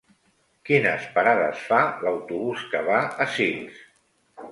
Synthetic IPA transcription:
kinə̰spaɾaðə̰sfaləwt̪uβuskəβaəsiŋs

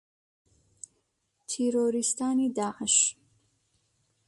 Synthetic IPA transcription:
t̪ʰeɾoːɾist̪ʰaːnid̪aːʕəʃ

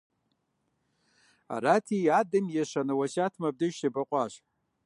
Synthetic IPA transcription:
a̰ɾatʰiadɨmjaʂʷanɨwaʃatʰmab̚dɨʃtʰabaqʷʼaʃ

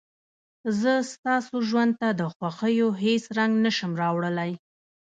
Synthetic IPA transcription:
zəst̪ɑsoʒwand̪̚t̪ad̪əxwaxəjoɦesɾaŋɡnəʃəmɾɑwɽəlaj

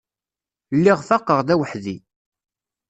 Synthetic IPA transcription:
lːiʁfɑqːəʁðæwəħði

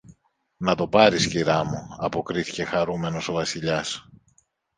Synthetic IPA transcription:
nɐt̪o̞pɐɾisciɾɐmuɐpo̞kɾiθi̥ce̞xɐɾume̞no̞so̞vɐsiʎɐs

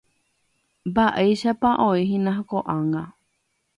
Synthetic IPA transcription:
mbaʔejʃapaʔõiɦĩnãɦkoʔãŋɡã

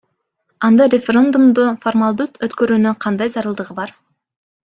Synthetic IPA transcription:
ɑnd̪ɑɾʲefʲeɾʲend̪umd̪uformalˠd̪ut̪øt̪kø̞ɾyːnyŋqʰɑnd̪ɑjzɑɾɯlˠd̪ɯʁɯbɑɾ

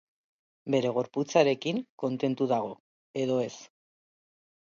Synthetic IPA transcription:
be̞ɾe̞ɣ̞o̞ɾput͡saɾe̞kiŋko̞nt̪e̞nt̪uðaɣ̞o̞ | e̞ðo̞e̞s

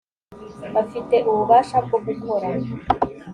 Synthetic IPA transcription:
βafite̞ʔuβuβaːʃab̚ɡoɡukʰo̞ɾa

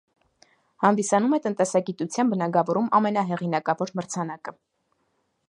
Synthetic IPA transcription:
hɑnd̪isɑnumɛt̪ənt̪ɛsɑɡit̪ut͡sʰjɑnbənɑɡɑvɔɾumɑmɛnɑɦɛʁinɑkɑvɔɾməɾt͡sʰɑnɑkə

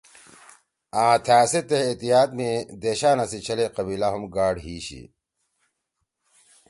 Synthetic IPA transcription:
aːt̪ʰaːset̪eet̪ijaːt̪̚med̪eːɕaːnɐsit͡ɕʰɐleqɐbilaɦumɡaːɽɦiːɕḭ

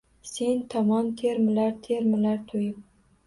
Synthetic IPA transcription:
se̞nt̪ʰɒmɒnt̪ʰeɾmɪlaɾt̪ʰeɾmɪlaɾt̪ʰojɪp̚

